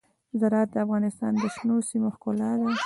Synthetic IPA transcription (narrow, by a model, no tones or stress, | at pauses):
zaɾɑːt̪̚d̪əafɣɑnɪst̪ɑ̰nd̪əʃnosimoxkolɑd̪a